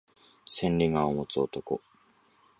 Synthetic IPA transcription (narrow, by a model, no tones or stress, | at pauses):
sẽ̞nɾʲiŋaomot͡sot̪oko